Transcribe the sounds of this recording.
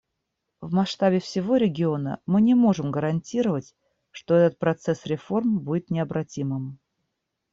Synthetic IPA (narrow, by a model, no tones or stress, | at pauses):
vmɐsʂt̪abʲɪfsʲɪvo̞ɾʲɪɡʲɪo̞nə̰mɨnʲɪmo̞ʐɨmɡəɾɐnʲtʲiɾəvətʲ | ʂt̪o̞ɛt̪ət̪̚pɾɐt̪sɛsɾʲɪfo̞rmbudʲɪt̪nʲɪɐbɾɐtʲimɨm